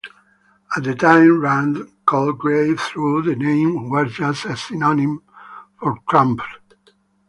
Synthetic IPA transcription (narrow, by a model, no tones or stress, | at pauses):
ət̪̚d̪ətʰãɪ̃mɹãnkʰɔlɡɹeɪvθɹuðənẽɪ̃mwɛɹd͡ʒəsəsinɔnĩmfɔɹtʰɹãmp